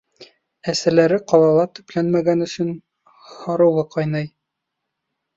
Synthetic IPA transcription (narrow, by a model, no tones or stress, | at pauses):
æsælæɾɘqɑlˠɑlˠɑt̪ɵ̆plænmæɡænɵ̆sɵn | hɑɾɤ̆wlˠɤqʰɑjnɤj